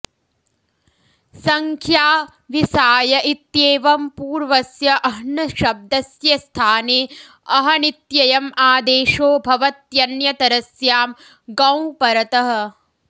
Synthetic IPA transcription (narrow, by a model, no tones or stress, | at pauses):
sɐŋkʰjaː | ʋisaːjɐʔit̪jeːʋɐmpuːɾʋɐsjɐʔɐɦnɐʃɐb̚d̪ɐsjɐst̪ʰaːneː | ɐɦɐnit̪jɐjɐmaːd̪eːʃoːbʱɐʋɐt̪jɐnjɐt̪ɐɾɐsjaːm | ɡɐ̃wpɐɾɐt̪ɐɦɐ̆